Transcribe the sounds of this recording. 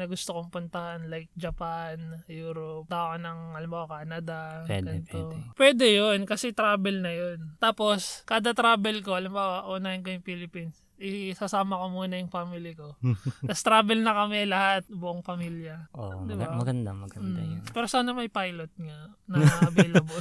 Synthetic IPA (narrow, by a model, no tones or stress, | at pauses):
nɐɡʊst̪okoŋpʊnt̪ɐhanlajk̚d͡ʒɐpanjuːɾop̚t̪akonɐŋɐlɪmbaːwakaːnɐd̪ɐɡɐnɪt̪opwɛːd̪ɛjonkɐsɛt̪ɾaːbɛlnɐjont̪aːpo̞skaːd̪ɐt̪ɾaːbɛlko̞ɐlɪmbaːwɐʔonaːjɪnkojʊŋfilɪpins | ʔɪsɐsaːmɐko̞muːnɐjʊŋpamilɪko̞k̪ɐst̪ɾaːbɛlnɐkɐmɛlɐhat̪̚bʊʔoŋpɐmiljɐʔo̰d̪ɪbamɐɡɐnd̪amɐɡɐapɛːɾosaːnɐmɐjpajlot̪̚ŋanɐŋbjlɐbo